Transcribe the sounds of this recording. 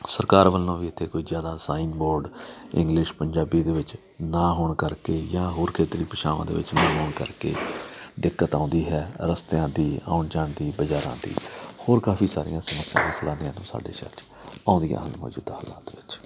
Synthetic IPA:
səɾkaːɾʋəlːõːʋiːɪt̪ʰːeːkoːiːzjaːd̪aːsaːĩːnboːɾɖɪ̰̃ŋɡlɪʃpəɲd͡ʒaːbiːd̪eːʋɪt͡ʃ | nãːɦoːɳkəɾkeːjãːɦoːɾkʰeːt̪ɾiːpəʃaːʋã̰ːd̪ḛːʋɪ̰t͡ʃnãːnoːɳkə̰ɾkḛːd̪ɪkːət̪ãːnd̪iːɦɛːɾəst̪ãːd̪iːa̰ːʊɳd͡ʒaːɳd̪iːbəd͡ʒaːɾã̰ːd̪ḭːhoːɾkaːfʰiːsaːɾɪ̰jãːsəməsːɪjã̰ːmslaːnɪjãːnũːsa̰ːɖḛːʃa̰ːt͡ʃ | ãːʊ̃nd̪ijã̰ːɦənlmo̰ːd͡ʒṵːd̪haːla̰ːt̪ːʋɪt͡ʃ

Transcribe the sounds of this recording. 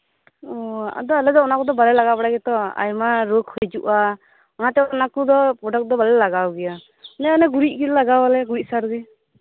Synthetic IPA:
ɔa̰d̪ɔalɛd̪ɔɔnakɔd̪ɔbalɛlaɡapaɽaɡɛt̪ɔa̰jmaɾokhɔjd͡ʒuʔa | ɔnat̪ɛɔnakud̪ɔpɾɔɖɔk̚d̪ɔbalɛlaɡawɡɛja | nɛɔnɛɡuɾit̚ˀɡillaɡawalɛɡuɾic̚saɾɡi

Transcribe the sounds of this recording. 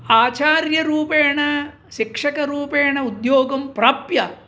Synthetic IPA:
aːt͡ʃaːɾjɐɾuːpeːɳɐ | ʃikʂɐkɐɾuːpeːɳɐud̪joːɡɐmpɾaːpjɐ

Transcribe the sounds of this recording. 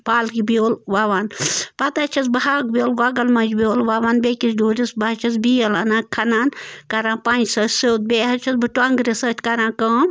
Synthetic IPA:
paːlkibioːlʋaːʋaːnpɐt̪at͡ʃʰɐs̬bɐɦak̚bʲoːlɡaɡɐlmɐd͡ʒbʲoːlʋaːʋaːnbekisɖuːɾisbat͡ʃʰɐsbijɐlɐnãːkʰɐnaːnkɐɾãːnpand͡ʒsɐt͡ʃʲsewt̪̚beːɦɐt͡ʃʰɐsbɨʈwaŋɡɾisɐt͡ʃʰʲkɐɾãːkɐːm

